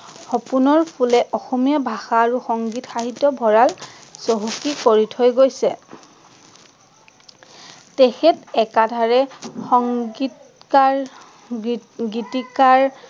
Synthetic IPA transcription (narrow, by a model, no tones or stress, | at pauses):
xɔpunɔɹpʰulɛʔɔxɔmijabʱaxaːɹuxɔŋɡitxaɦitːɔbʱɔɹalsoɦukikoɹitʰɔjɡojsɛ | texɛtɛkadʱaɹɛxɔŋi | ka | ɡitikaɹ